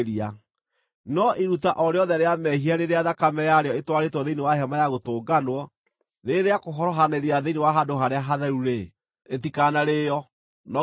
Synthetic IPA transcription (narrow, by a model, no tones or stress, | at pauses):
ɾia | nɔʔiɾutaʔɔɾeɔðɛɾeamɛɦiaɾeɾeaðakamɛjaɾeɔetwaɾetwɔðeinewaɦɛmajaɣotoːɡanwɔ | ɾeɾeakoɦɔɾɔɦaneɾeaðeinewaɦadoɦaɾeaɦaðɛɾuɾe | etikanaɾeːjɔ | nɔ